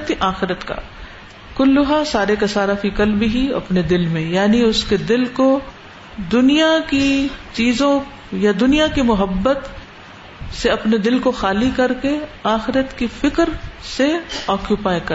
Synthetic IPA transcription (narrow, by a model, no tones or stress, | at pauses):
t̪iʔaːxɪɾət̪ka̰ː | kʊlːʊɦasaːɾekasaːɾafikəlbʱiɦiɐ̰pned̪ɪlmẽjaːniʊsked̪ɪlko | d̪ʊnijakit͡ʃiːzõ | jad̪ʊnijakimʊɦəbːət̪ | seɐpned̪ɪlkoxaːlikɐɾkeaːxɪɾət̪kifɪkəɾseɔːkjupaːjkɐ